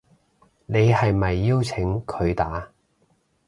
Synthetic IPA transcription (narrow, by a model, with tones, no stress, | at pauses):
ne˨˧jhɐ˨jmɐ˨jːiː˥wt͡sʰɪ˨˥ŋkʰɵ˨˧ɥt̪aː˨˥